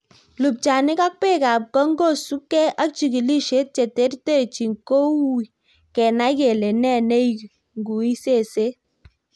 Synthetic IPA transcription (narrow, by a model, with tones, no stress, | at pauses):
lu˨p̚t͡ʃa˨nɪ˦ka˦k̚pe˦˨ka˨p̚kɔ˦ŋɡo˦˨su˦kːɛ˦ʔa˦k̚t͡ʃi˨ki˨li˦ʃe˦t̚t͡ʃe˨te˦ɾte˦˨t͡ʃi˨ŋko˦wu˦i˨ | kɛ˨na˦i˦ke˨le˨nɛ˦˨ne˦ik | ŋɡu˨i˦se˦˨se˦